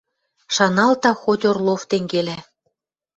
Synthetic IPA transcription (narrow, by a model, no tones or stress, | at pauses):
ʃɑnɑlt̪ɑxotʲorlˠoft̪eŋɡelæ